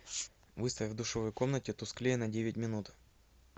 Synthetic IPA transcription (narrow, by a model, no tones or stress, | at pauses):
vɨst̪əfʲvd̪ʊʂovəjko̞mnətʲɪt̪ʊsklʲejnɐdʲevʲɪtʲmʲɪnut̪